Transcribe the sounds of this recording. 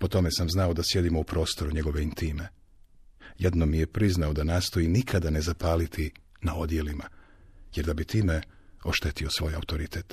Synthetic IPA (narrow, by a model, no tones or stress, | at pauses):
po̞t̪o̞me̞samznao̞d̪asje̞d̪imo̞upɾo̞ːst̪o̞ɾuɲe̞ɡo̞ʋeint̪ime | jed̪nomije̞pɾiznaod̪anaːst̪o̞jinikʰad̪ane̞zapaːlit̪ʰi | nao̞d̪je̞lima | jeɾd̪abit̪iːme̞ | o̞ʃt̪et̪io̞sʋo̞ːja̰ut̪o̞ɾit̪ʰet̪